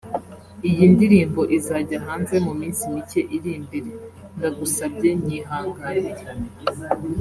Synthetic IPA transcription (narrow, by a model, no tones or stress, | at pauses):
ijindiɾiːmbo̞ʔizaːɟaɦaːnze̞mumiːnsimice̞ʔiɾiːmbeɾendaɡusab̚ɟe̞ɲiːɦaːŋɡaniɾe